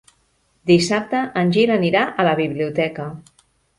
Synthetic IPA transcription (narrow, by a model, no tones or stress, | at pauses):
d̪isap̚t̪əʔənʲʒiləniɾaʔələβiβliut̪ɛkə